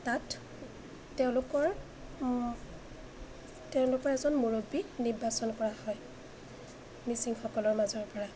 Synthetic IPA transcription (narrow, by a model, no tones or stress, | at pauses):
tatː | ɛʊ̃lʊkɔɹ | tɛʊ̃lʊkɔɹɛzɔnmoɹoɡbiniɹbasɔnkɔɹahɔj | misiŋxɔkɔlɔɹmazɔɹpɔɹa